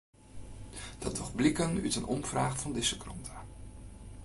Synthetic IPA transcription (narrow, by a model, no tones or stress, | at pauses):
d̥ɑdɔχblɪkənytənʔɔ̰mv̥raːχfɑndɪsəkrɔntʰa